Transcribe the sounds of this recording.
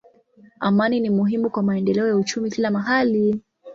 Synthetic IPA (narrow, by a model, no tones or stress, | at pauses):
amaninimuɦimukwamaɛndɛlɛɔjaut͡ʃumikilamaɦali